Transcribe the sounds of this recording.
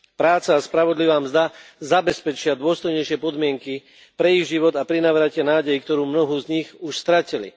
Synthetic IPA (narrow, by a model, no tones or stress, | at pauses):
pɾaːt͡saːspɾaʋɔd̪liʋaːmzd̪azabɛspɛt͡ʃɪad̪ʊɔst̪ɔjɲɛjʃɪɛpɔd̪mɪɛŋki | pɾɛiɣʒiʋɔd̪apɾinaʋɾacɪanaːɟɛjikt̪ɔɾuːmnɔɦuzɲiɣuʃst̪ɾacilḭ